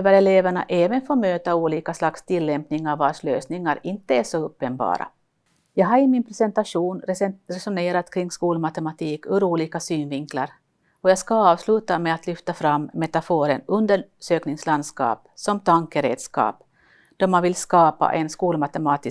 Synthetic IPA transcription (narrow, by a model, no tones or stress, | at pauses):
vəɾɛleːvæɳa̰ʔɛːvənfoːmøːt̪auːliːkaslakst̪ʰɪlːɛmpnɪŋːavːɑːʂløːsnɪŋːaɾɪnt̪əæʂɔɵpːənbɑ̰ːɾa̰ | jɑːɡɦaɾɪmɪnpʰɾɛsɛnt̪aʂuːnɾɛsʊneːɾat̪kʰɾɪŋːskuːlmat̪ɛmat̪ʰiːkɵɾuːliːkasyːnvɪŋkla̰ɾ | ɔjɑːɡskaɑːvslʉ̟ːt̪amɛat̪lʏft̪afɾamːɛt̪afoːɾənɵnd̪əʂøːknɪŋsland̪skɑ̰ːp̚sɔmt̪ʰaŋkəɾḛːd̪skɑ̰ːp | d̪̥ɔɾmanvɪlskɑːpa̰ʔɛnskuːlmat̪ɛmɑːt̪ɪ